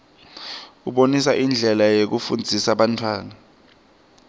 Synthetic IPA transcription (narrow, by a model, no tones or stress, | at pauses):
uɓonisaʔind͡ɮʱɛlajek̬ufund͡zʱisaɓantʰwaːna